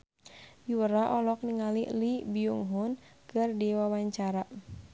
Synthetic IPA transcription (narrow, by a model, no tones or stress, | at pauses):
juwəɾaʔɔlɔk̚niŋalilibiuŋɦun | kɨrdiwawaɲt͡ʃaɾa